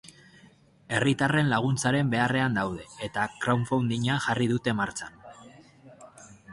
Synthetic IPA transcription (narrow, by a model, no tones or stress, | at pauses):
e̞rit̪are̞nlaɣ̞unt͡saɾe̞mbe̞are̞and̪awð̞e̞et̪akɾawɱfawnd̪iɲaʝariðut̪e̞maɾt͡san